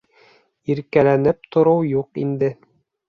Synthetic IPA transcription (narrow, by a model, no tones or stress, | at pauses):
iɾkælænɘp̚t̪ŏɾɤwjuqḭnd̪ɘ